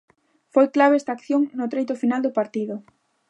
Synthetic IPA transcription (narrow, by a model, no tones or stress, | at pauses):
fojklaβeɛst̪akθjoŋnʊt̪ɾejt̪ʊfinald̪ʊpaɾt̪iðʊ